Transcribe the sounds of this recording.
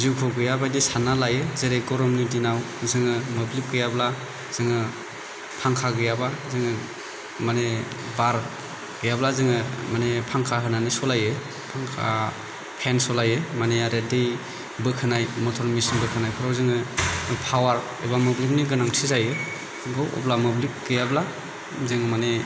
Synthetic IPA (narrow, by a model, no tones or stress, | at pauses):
zikʰɔɡɯjabadisanalajɯzeɾeɡɔɾɔmnidinaw | zɯŋɯmɯblip̚ɡɯjabla | z̥ɯŋɯ | pʰaŋkʰaɡɯjabazɯŋɯ | mane | baɾ | ɡ̥ɯjablazɯŋɯmanepʰaŋkʰaɦɯnanisɔlajɯ | pʰaŋkʰa̰ | pʰensɔlajɯmaneaɾedej | bɯkʰɯnajmɔtʰɔɾmisnbɯkʰɯnajpʰɯɾawzɯŋɯpʰawaɾ | ebamublik̚niɡɯnaŋtʰizajɯ | ɡɯwʔɔ̰blamublik̚ɡɯjabla | zɯŋɯmane